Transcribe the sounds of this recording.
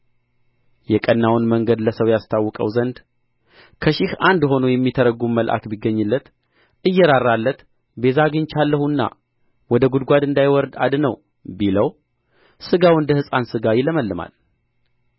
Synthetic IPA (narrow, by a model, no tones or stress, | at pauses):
jɛkʼənːawnməŋɡəd̪ləsəwjast̪ʰawːɔkʼə̰wzənd̪ | kʰəʃɪhand̪ho̞nojɛmːit̪ʰəɾəɡumməlʔa̰kbiɡːəɲːɨlːət̪ | ʔɨjːɛɾarːalːət̪ | be̞zaɡɨnt͡ʃalːəhunːa̰ | wɔd̪əɡud̪ɡʷad̪ɨnd̪ajwɔɾd̪a̰d̪nəw | biləw | sɨɡawɨnd̪əhɨsʼansɨɡajɪləməlːɨma̰l